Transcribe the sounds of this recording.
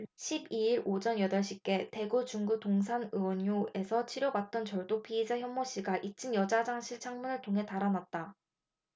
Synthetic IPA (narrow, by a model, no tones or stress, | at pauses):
ɕʰibiiɾod͡ʑʌnjʌdʌɭɕʰik͈e̞te̞ɡut͡ɕuŋɡutoŋs̬ʰanɯwʌnjue̞sʰʌt͡ɕʰiɾjobat̚t͈ʌnt͡ɕʌɭdok̚pʰiːsʰaçjʌmmoɕ͈iɡaʔit͡ɕ͈ʰinjʌd͡ʑad͡ʑaŋɕʰiɭt͡ɕʰaŋmunɯɭtʰoŋɦe̞taɾanat̚t͈a